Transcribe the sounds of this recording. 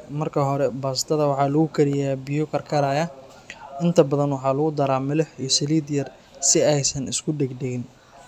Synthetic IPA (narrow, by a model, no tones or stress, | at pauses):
mɐrkʰɐɦɔɾɛbaːsɪ̥t̪ʰɐðɐwɑħɑːlɐɣʊkʰɐɾɪjabɪjʊkʰɐrkʰɐɾaːjɐ | ɪnt̪ʰɐbɐðɐnwɑħɑːlɐɣʊd̪ɐɾaːmɪlɪħiːsɐliːd̪jɐr | sɪɛjsɐnɪskʰʊɖɛɡd̪ɛɣɪn